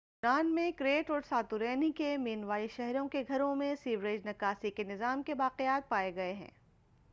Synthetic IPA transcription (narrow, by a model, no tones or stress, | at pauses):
ɾaːnmẽkɾeːʈɔːɾsaːt̪uɾɛːnikemeːnʋaːiʃɛɦɾõkeɡʱɐɾõmẽsiːʋɾeːd͡ʒnɐkaːsikenɪzaːmkebaːqejaːt̪̚paːeɡɐeɦɛ̰̃ː